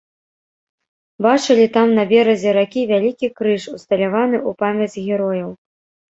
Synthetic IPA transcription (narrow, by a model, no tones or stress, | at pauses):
bat͡ʂɨlʲit̪amnɐbʲɛɾɐzʲɛɾakʲivʲalʲikʲikɾɨʂust̪ɐlʲavanɨupamʲɐd͡zʲzʲɣʲɛɾɔjɐw